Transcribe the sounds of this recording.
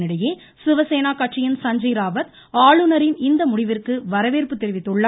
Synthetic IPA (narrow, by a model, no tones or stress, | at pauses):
nɪɽɐjeː | sɪʋɐseːnaːkɐʈt͡ʃɪjɐnsɐɲd͡ʒɐɾaːʋɐt̪ | aːɭɯnɐɾɪnɪnd̪ɐmʊɽɪʋɪrkɯʋɐɾɐʋeːrpɯt̪ːɛɾɪʋɪt̪ːɯɭːɐ